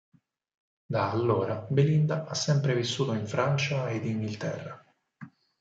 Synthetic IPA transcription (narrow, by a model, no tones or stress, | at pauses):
d̪aːlːoːɾabelind̪aʔasːɛmpɾevisːuːt̪oiɱfɾant͡ʃaed̪inɡilt̪ɛ̰rːa